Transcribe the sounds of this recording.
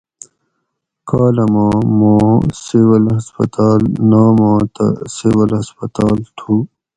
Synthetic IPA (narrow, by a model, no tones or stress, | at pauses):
kaːlɐmãːmãːsewɐlɦɐspɐ̰t̪aːlnaːmãːt̪ɐ̰sewɐlhɐspɐt̪aːlt̪ʰuː